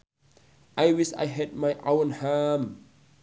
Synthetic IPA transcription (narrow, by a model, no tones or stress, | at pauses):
ʔajwisa̰jɦɛd̚majʔawə̃nham